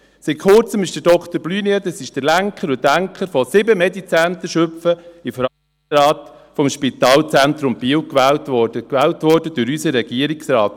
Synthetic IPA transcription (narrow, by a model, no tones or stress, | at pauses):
sitkχʊrt͡səmɪʃd̥əd̥ɔkt̪əɾblyːniət̪əsɪʃd̥əlæŋkχəɾʊdæŋkχəɾfɔsɪbəmɛdit͡sænt̪əʃɵpfəɪfəɾɑ | ɾɑːt̪ | fɔmʃpit̪ɑːlt͡sænt̪ɾʊmbiːwkʋæːltʋɔdəkʋæːltʋɔːɾd̥əd̥ʊɾysəɾːɛɡ̥iəɾɪksɾɑːt